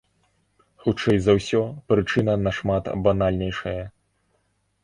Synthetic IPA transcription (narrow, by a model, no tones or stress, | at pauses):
xut͡ʂɛjzɐwsʲɔpɾɨt͡ʂɨnɐnɐʂmat̪banalʲnʲɛjʂɐjɐ